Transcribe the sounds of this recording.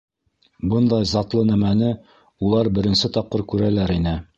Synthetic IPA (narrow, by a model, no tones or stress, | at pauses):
bɤnd̪ɑjzɑt̪lˠɤnæmænɘ | ulˠɑɾbɘ̆ɾɘ̆nsɘt̪ɑp̚qɤɾkʉɾælæɾinɘ